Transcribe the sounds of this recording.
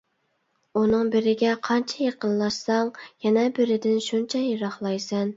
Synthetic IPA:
unɨŋbɪɾɪɡʲɛqʰɑnt͡ʃʰɛjeqənlˠɑʃsɑŋjɛnɛbɪɾɪd̪ɪnʃunt͡ʃʰɛjeɾɑχlˠɑjsɛn

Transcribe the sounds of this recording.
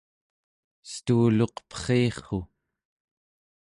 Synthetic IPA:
st̪uːlo̞qpχeːχo

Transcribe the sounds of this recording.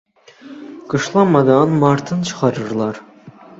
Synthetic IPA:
kɤ̆ʃlˠɑmɑd̪ɑnmɑɾt̪ʰɯnt͡ʃʰə̥qɑɾɯɾlˠɑɾ

